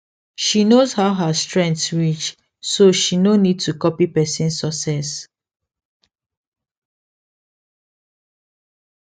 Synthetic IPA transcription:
ʃinozhaʊɦastɹɛ̃ntsɹit͡ʃ | soʃinonid̚tukɔpipɛsĩnsɔksɛs

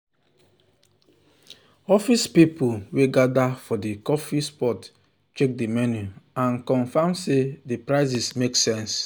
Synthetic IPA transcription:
ɔfispipuweɡadafɔdikɔfispɔt | t͡ʃek̚dimɛnjuãnkɔ̃nfãmsedipɹaɪz̬ismeksɛ̃ns

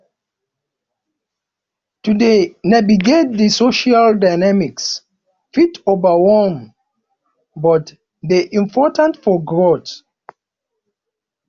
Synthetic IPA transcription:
tudenaviɡet̚disoʃaldaɪnamiks | fitovawɛlm | bɔt | deʔĩmpʰɔtãntfɔɡɹot

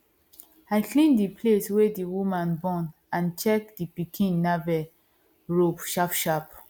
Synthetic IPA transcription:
aɪklĩndipʰleswediwumãnbɔ̃n | ãnt͡ʃɛk̚dipikʰĩnːavɛl | ɹupʃapʃap

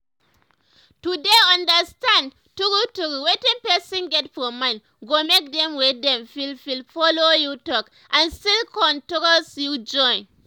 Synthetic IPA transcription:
tudeãndəstãnd | tukutukwetĩnpɛsĩnɡɛtfɔmãn | ɡomek̚dɛ̃mwidɛ̃mfilfilfɔlojutɔk | ʔãnstilkɔ̃ntɔkɔlsjud͡ʒɔ̃j̃n

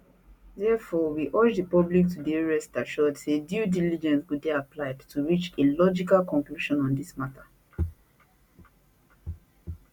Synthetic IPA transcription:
dɛfɔwiʔɔd͡ʒdəpɔblik̚tʰudieɹɛstaʃɔdsedjudilid͡ʒɛ̃nswudɛaplaɪdtʰuɹit͡ʃelɔd͡ʒikalkɔ̃ŋkluʃɔ̃nɔ̃ndismatʰa

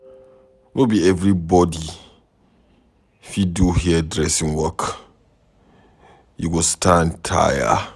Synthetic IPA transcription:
nʔobiɛvɹibɔdi | fiduhidɹɛsĩŋwɔk | juɡostʰãntʰa̰ja̰

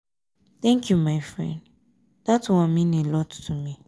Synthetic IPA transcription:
t̪ɛ̃ŋkʰjumaɪfɹɛ̰̃nd | ð̥atwãmĩnelɔttʰumi

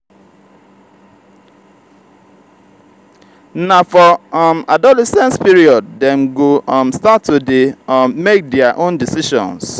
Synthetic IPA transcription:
nafɔmadɔlɛsɛ̃nspiɹiɔd̚dɛ̃mɡomstatːudemmek̚dɛaʔõndisiʃɔ̰̃ns

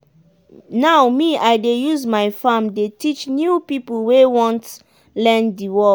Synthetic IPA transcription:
nawmiajdejuzmajfãmdetit͡ʃnjupipulwewɔ̃nt | lɛ̃ndiwɔ

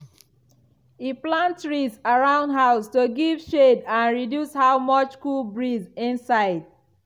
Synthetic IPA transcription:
iplãntsɹisaɹãʊ̃ndɦaʊstoɡivʃedãnɹidjushawmʌt͡ʃkulbɹizĩnsaɪd̚

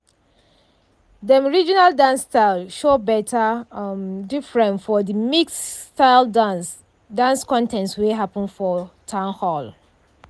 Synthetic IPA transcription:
dəmɔɹid͡ʒinaldãnstaɪlˠʃobɛtʰəmdifɹɛ̃nfɔdəmiksːtaɪld | dãnskɔ̃ntʰɛ̃ntsweɦapə̃nfɔtʰãʊ̃nhɔl

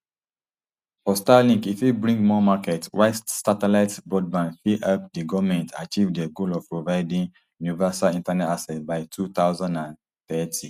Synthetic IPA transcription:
fɔstalĩŋkifjubɹĩŋɡmɔmakɛtswaɪstsatɛlaɪtbɹɔd̚bãnfiʔap̚diɡɔvmɛ̃ntʰa̰t͡ʃivdəɡolɔv̥pɹovaɪdĩŋ | junivɛsalĩntanɛtasɛt̚baɪtʰuθaʊzãndãn | θɛtʰi

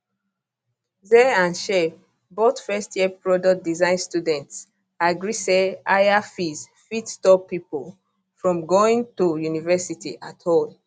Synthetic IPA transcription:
zɛãnʃɛ | botfɛstjɛpɹɔdɔk̚dizãɪ̃nstudɛ̃nts | aɡɹisɛaɪafiz | fitstɔpːipol | fɹɔ̃mɡoĩŋtujunivɛsitiʔathol

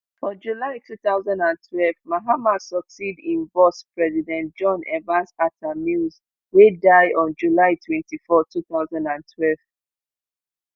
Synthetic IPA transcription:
fɔ̃d͡ʒulaɪtʰuːθaʊzɔ̃ndãntʰwɛlvmaɦamasɔksidĩnbɔspɹɛzidɛ̃ntd͡ʒɔ̃nɛvãnsatʰamiz | wedaɪʔɔ̃nd͡ʒulaɪtʰwɛ̃ntifɔtʰuθaʊzãndãntʰwɛlv

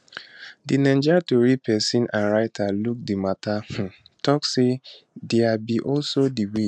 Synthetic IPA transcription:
dinɛ̃nd͡ʒatoɹipʰɛsĩnãnɹaɪtʰaluk̚dimatahũtʰɔkse | dɛabiʔɔlsodiwi

